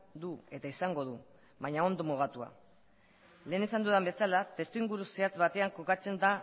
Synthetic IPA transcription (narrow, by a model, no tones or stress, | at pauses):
d̪ue̞t̪aisaŋɡo̞ð̞u | βaɲao̞nd̪omoɣat̪ua̰ | le̞ːnesand̪uðembe̞salat̪e̞st̪uiŋɡuɾuse̞at͡sβat̪e̞aŋko̞kat͡se̞nd̪a